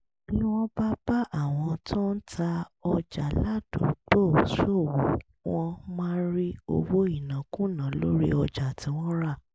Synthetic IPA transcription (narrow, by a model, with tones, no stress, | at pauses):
i˦˨lũ˦w̃ɔ̃˦ba˦ba˦ʔa˦˨w̃ɔ̃˧to˦n̩˦tʰa˧ɔ˧d͡ʒa˨la˦d̥ṵ̃˨k͡po˦˨so˦˨wo˨˦ | w̃ɔ̃˧mãː˦ɾi˦o̰˧wo˦i˦˨nã˨kũ˦nã˨˦lo˦ɾḭ˦ɔ˧d͡ʒa˨tĩ˨˦w̃ɔ̃˦ɾa˦˨